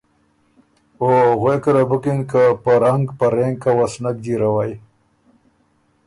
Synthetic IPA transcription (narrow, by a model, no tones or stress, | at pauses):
oɣekəɾabukinkapaɾaŋɡpaɾeŋɡkawasnak̚d̪iɾawaj